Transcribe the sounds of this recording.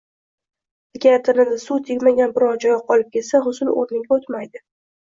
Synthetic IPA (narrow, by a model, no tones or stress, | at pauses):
ɪkʲat̪ʰɪnɪnd̪asut̪ʰɪkʲmaɡʲanbɪɾɒɾd͡ʒɒjɪqʰɒlˠɪp̚kʲʰe̞lsaɦʊsʊlo̰ɾnɪŋʲɡʲaot̪majd̪ɪ